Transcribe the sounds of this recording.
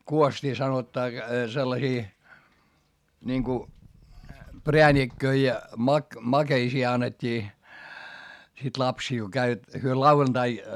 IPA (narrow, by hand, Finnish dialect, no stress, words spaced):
kuostʲiː sɑnotːɑː selːɑsiː niŋku preænikːøi jɑ mɑk mɑkeisiː ɑnːetʲːiː sit lɑpsiˑl ko kæiʋæt hyø lɑuʋɑntɑi